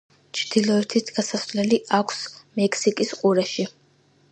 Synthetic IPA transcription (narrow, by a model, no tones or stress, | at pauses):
t͡ʃʰd̪̥ilˠɔɛt̪ʰit̪ɡasaslɛliʔakʷʰsmɛkʰsikʼisqʼuɾaʃi